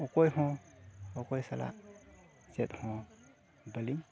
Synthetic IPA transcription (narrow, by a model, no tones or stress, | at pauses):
ɔkɔjɦɔ̃ | ɔkɔjsala̰ | zɛt̚hɔ̃ | bəlim